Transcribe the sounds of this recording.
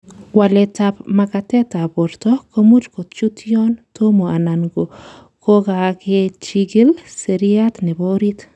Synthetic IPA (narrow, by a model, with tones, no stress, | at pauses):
wa˨le˨tapma˨ka˨tɛ˦ta˨bo˨ɾto˦ko˦mu˦t͡ʃko˨t͡ʃu˦tjɔntʰo˦mo˨a˨na˨ŋɡo˨ | kʰo˦ɡa˨ke˦t͡ʃiɡi˦lse˨ɾia˦t̪ne˨bo˦ɾi˦t